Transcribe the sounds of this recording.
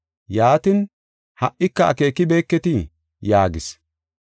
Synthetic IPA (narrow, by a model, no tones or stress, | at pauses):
jaːt̪ɪn | hɐʔʔɪkːɐɐ̰ke̞ːkːɪbe̞ːkːɛt̪ɪ | jaːɡɪs